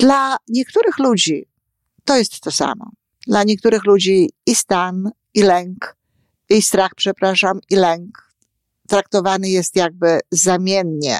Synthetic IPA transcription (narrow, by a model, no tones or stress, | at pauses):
d̪̥laɲɛk̚t̪uɾɘxlud͡ʑi | t̪ɔjɛst̪ːɔsa̰mɔ̰ | d̪laɲɛk̚t̪uɾɘxlud͡ʑiːst̪an | ilɛŋk | ist̪ɾaxpʂɛpɾaʂamilɛŋk | t̪ɾak̚t̪ɔvanɘjɛst̪jaɡ̚bɘzamʲjɛnɲɛ̰